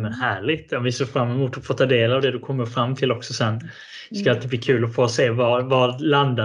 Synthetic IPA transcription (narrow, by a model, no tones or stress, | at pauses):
mənhæːɭɪɡt̪amvɪseːɾfɾamːɛmuːt̪ːɔfoːt̪ʰɑːd̪eːlavd̪ɛd̪ɵkʰɔmːəɾfɾamːt̪ʰɪlːɔksɔsɛnː | ɪskaalt̪id̪bliːkʰʉ̟ːlɔfoːseːvɑvɑɾland̪a